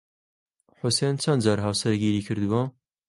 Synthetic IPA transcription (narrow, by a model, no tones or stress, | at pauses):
ħʊsent͡ʃʰɐnd̪d͡ʒaːɾɦawsɐɾɡiːɾiːkʰɨɾd̪uwɐ